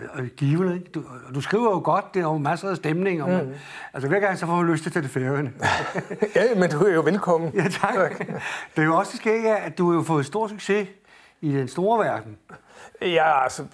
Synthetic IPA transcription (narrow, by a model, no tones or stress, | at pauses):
ɡ̥iːʊənəɡ̥d̥ud̥usɡ̥ʁḭːʊɐjoɡ̥ɒ̽d̥̚d̥e̝ɒmæsəð̩ˠsd̥emne̝ŋɒ | ælsəʋæɐ̰ɡ̥ɑ̈ŋ̰sɒfɒmuløsd̥ʰet͡sʰed̥e̝feɐənə | æmend̥uæjoʋelkʰɒ̽mn̩jæt͡sʰɑ̈ɡ̥ | d̥ejo̝ɒ̽sd̥esɡ̥e̝̰ːd̥jææd̥uhɑ̈jo̝fɔ̽ːð̩ˠsd̥o̝ɐ̰d̥syɡ̥se̝ | id̥ensd̥o̝ːɐʋæɐd̥n̩ | jæælsə